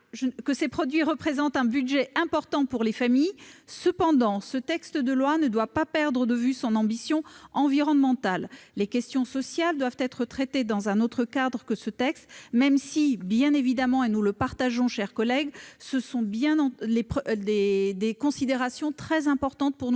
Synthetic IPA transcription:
ʒəkəsepχɔd̪ɥiʁəpχezɑ̃t̪ɛ̃byd̪ʒɛʔɛ̃pɔʁt̪ɑ̃puʁlefamijsəpɑ̃d̪ɑ̃sət̪ɛkst̪əd̪əlwanəd̪wapapɛʁd̪ʁəd̪əvysɔ̃nɑ̃bisjɔ̃ɑ̃viʁɔnmɑ̃t̪alːekʲɛst̪jɔ̃sɔsjald̪wavt̪ɛt̪χət̪χɛt̪ed̪ɑ̃zɛ̃not̪χəkad̪ʁəkəsət̪ɛkst̪mɛmsibjɛ̃nevid̪amɑ̃enuləpaʁt̪aʒɔ̃ʃɛʁkɔlɛɡsəsɔ̃bjɛ̃lepd̪ed̪ekɔ̃sid̪eʁasjɔ̃t̪χɛzɛ̃pɔʁt̪ɑ̃t̪̚puʁnu

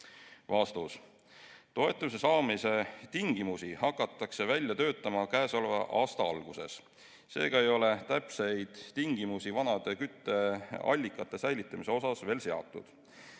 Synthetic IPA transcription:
vɑst̪us | t̪o̞e̞t̪ˑːumisesɑːmise̞t̪iŋɡ̥imusihɑkːˑɑt̪ːˑɑkse̞vælʲjɑt̪ø̞ːt̪ːˑɑmɑkæːsolveʔɑːst̪ɑɑlɡ̥use̞̰s | se̞̰ːɡ̥ɑe̞jo̞le̞t̪æpse̞jd̪̥t̪iŋɡ̥imusivɑnɑd̪̥e̞kyt̪ːe̞ɑ̰lʲːikːˑɑt̪ˑːe̞sæjlit̪ːˑɑmise̞o̞sɑsve̞ːlse̞ɑ̰t̪ːˑud̪̥

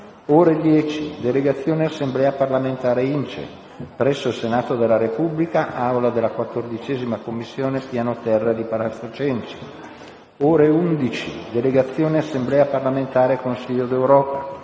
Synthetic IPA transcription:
oːɾed̪jɛːt͡ʃid̪eleɡat̪sːjoːneasːemblɛːaparlament̪aːɾeint͡ʃḛ | pɾɛsːoilsenaːt̪od̪elːaɾepublikaʔawlad̪elːakwat̪ːord̪it͡ʃɛːzimakomːisːjoːnepjanot̪ɛrːed̪ipalasot͡ʃɛnt͡ʃi̥ | oːɾeund̪it͡ʃḭd̪eleɡat̪sːjoːneasːemblɛːaparlament̪aːɾekonsiʎːod̪ewɾɔːpa

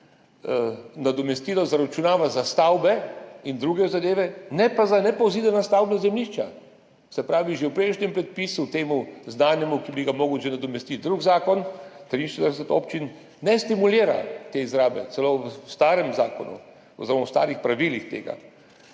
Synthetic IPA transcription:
nad̪ɔmɛst̪iːlɔzaɾat͡ʃunaːʋazast̪awbɛind̪ɾuːɡɛzad̪eːʋɛnɛpazanɛpowzid̪ɛnast̪awbɛzɛmliʃt͡ʃa | sɛpɾaːʋiʒewpɾeːʃnʲɛmpɾɛt̪̚pisut̪eːmuznaːnjɛmukibiɡamoːɡəwʒenad̪ɔmɛst̪it̪̚d̪ɾuɡzaːkɔnt̪ɾiːnʃed̪əɾɛsɛt̪oːpt͡ʃinː | ɛst̪imuliːɾa̰t̪eizɾaːbɛ̰t̪sɛlowst̪aːɾɛmzaːkɔ̰nṵ | ɔ̰zɪɾəmawst̪a̰ːɾixpɾaʋilixt̪ḛːɡa̰

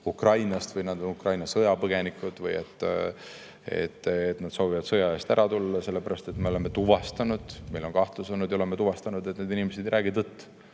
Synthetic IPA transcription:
ukrɑjnɑst̪vɯjnɑd̪̥onukrɑjnɑsɤjɑpɤɡ̥e̞nikˑud̪̥vɯjḛt̪ːˑ | e̞̰t̪ːet̪nɑd̪̥so̞ːvivɑd̪sɤjɑe̞ːst̪æɾʔɑt̪ulːɑse̞lːe̞pæɾɑst̪e̞t̪me̞o̞le̞mːe̞t̪uvɑst̪ɑnud̪̥me̞jlo̞nkɑht̪lusonːud̪joeme̞t̪uvɑst̪ɑnud̪ened̪inimes̬ed̪ejɾʔæːɡ̥id̪ɤt̪ˑː

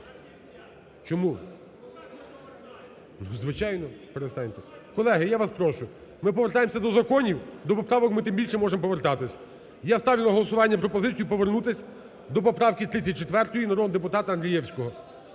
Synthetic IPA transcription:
t͡ʃɔmu | zʋɪt͡ʃɑjnɔpeɾest̪ɑnʲt̪ɛkɔlˠɛɦɪjaʋaspɾɔʃʊ | mɪpɔʋert̪ɑjemsʲɐd̪ɔzɐkɔnʲiwd̪ɔpɔpɾɑʋɔkmɪt̪ɪmbʲilʲʃɛmɔʒempɔʋert̪ɑt̪ɪsʲɐ | jast̪ɑʋʲilˠɐɦɔlˠɔsʊʋɑnʲːɐpɾɔpɔzɪt͡sʲijupɔʋernut̪ɪsʲ | d̪ɔpɔpɾɑwkit̪ɾɪit͡sʲːɐt̚ʲt͡ʃet̪ʋɛrt̪ɔjinɐɾɔd̪d̪epʊt̪ɑt̪ɐɐnd̪ɾʲijɛwsʲkɔɦɔ

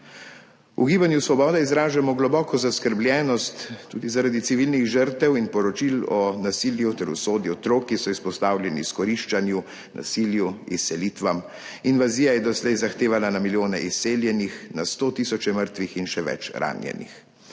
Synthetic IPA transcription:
ṵɡiːbanjusʋɔbɔːd̪aizɾaːʒamɔɡlɔbɔːkʰɔzaskəɾbljɛːnɔst̪ːṵːd̪izaɾad̪it̪siʋilniɣʒəɾt̪ɛwinpɔɾɔt͡ʃilɔnasiljut̪ɛɾṵsoːd̪juɔt̪ɾoːkːisɔispɔst̪aːwlʲjɛnḭskɔɾiʃt͡ʃanju | na̰siljuisːɛlit̪ʋam | inʋaziːjajɛd̪ɔslɛjzaxt̪eːʋalanamiljoːnɛʔisːeːljɛnixnast̪oːt̪isɔt͡ʃɛməɾt̪ʋixinʃɛʋɛ̰t͡ʃɾa̰ːnjɛ̰nḭx

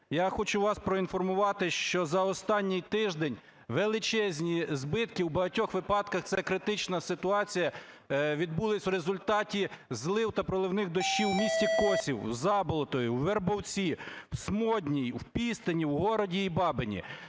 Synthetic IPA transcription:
jaxɔt͡ʃʊʋɑspɾɔinfɔrmʊʋɑt̪ɪʃt͡ʃɔzɐɔst̪ɑnʲːɪjt̪ɪʒd̪ɛnʲ | ʋelˠɪt͡ʃɛzʲnʲizbɪt̪kiwbɐɦɐtʲɔxʋɪpɑd̪̚kɐxt̪sɛkɾɪt̪ɪt͡ʃnɐsɪt̪ʊɑt͡sʲijɐ | ʋʲid̪̚bulˠɪsʲwɾezʊlʲt̪ɑtʲizlˠɪwt̪ɐpɾɔlˠɪwnɪxd̪ɔʃt͡ʃiwmʲisʲtʲikɔsʲiwwzɑbɔlˠɔt̪ɔjʊwʋerbɔwt͡sʲiwsmɔdʲnʲijwpʲist̪ɪnʲiwɦɔɾɔdʲiːbɑbɪnʲḭ

